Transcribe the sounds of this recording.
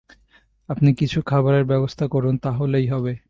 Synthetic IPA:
apnikit͡ɕʰukʰabaɾeɾbɛbost̪ʰakɔɾunt̪aɦolejɦɔbe

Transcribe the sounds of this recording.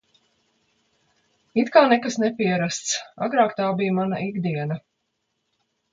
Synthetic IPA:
it̪kaːnɛkasnɛpiɛɾast̪sa̰ɡɾaːkt̪aːbijmana̰ʔiɡd̪iɛnɐ

